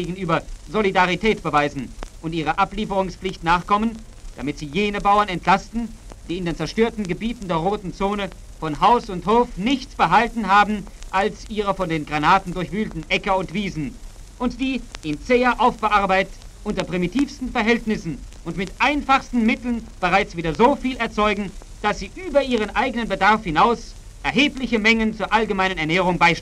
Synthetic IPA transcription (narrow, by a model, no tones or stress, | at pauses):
eːɡn̩ʔyːbɐzolidaʁitʰɛːtb̥əvaɪzn̩ʔʊntʔiːʁ̞əʔapliːfəʁʊŋspflɪçtnaːχkʰɔmən | d̥amɪtz̥iːjeːnəbaʊɐnɛntlastn̩ | d̥iːɪndeːnt͡sɛɐʃtøːɐtn̩ɡəbiːtn̩deːɐʁoːtn̩t͡soːnə | fɔnɦaʊsʊnthoːfnɪçt͡sb̥əɦaltn̩ɦaːbm̩ʔalsʔiːʁɐfɔndeːnɡʁanaːtn̩dʊɐçv̥yːltn̩ʔɛkəʊntv̥iːzn̩ | ʔʊntd̥iːʔɪmt͡seːɐʔaʊfb̥əʔaɐbaɪtət | ʔʊntɐpʁ̥imitʰiːfstn̩fɛɐɦɛltnɪsn̩ʔʊntmɪtʔaɪnfaχstn̩mɪtl̩nb̥əʁaɪt͡sv̥iːdɐzoːfiːlɛɐt͡sɔʏɡŋ̩ | d̥asz̥iːʔyːbɐʔiːʁ̞ənʔaɪɡənənbədaʁfhɪnaʊs | ʔɛɐɦeːplɪçəmɛŋənt͡suːɐʔalɡəmaɪnənɛɐnɛːʁ̞ʊŋbaɪʃt